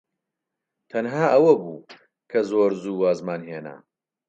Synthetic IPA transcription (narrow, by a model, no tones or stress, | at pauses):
t̪ʰɐnɦaːʔɐwɐbuː | kʰɐzoːɾzuːwaːzmaːnɦeːna̰